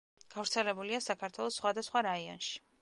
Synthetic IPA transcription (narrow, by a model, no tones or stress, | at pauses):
ɡ̥avɾt̪sʰɛlɛbuliasakʰaɾt̪ʰwɛlˠɔsːχwad̪asχwaɾaiɔ̰nʃi̥